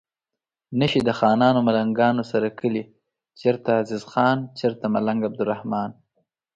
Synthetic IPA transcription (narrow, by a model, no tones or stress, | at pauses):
nəʃid̪əxɑːnɑːnomalaŋɡɑːnosaɾakʰəli | t͡ʃeɾt̪aːzɪzxɑːnt͡ʃeɾt̪amalaŋɡab̚d̪ʊɾahmɑːn